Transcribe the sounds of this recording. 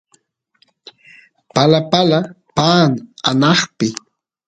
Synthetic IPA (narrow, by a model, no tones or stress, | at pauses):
palapala | paːŋanɑχpɪ